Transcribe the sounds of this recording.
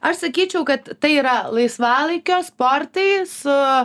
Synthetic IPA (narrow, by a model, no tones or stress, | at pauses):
ɐʃsɐkʲiːt͡ʃʲɛʊkɐt̪t̪ɐɪiːɾɐlˠɐɪsʋɑːlˠɐɪkʲoːspoːɾt̪ɐɪsʊ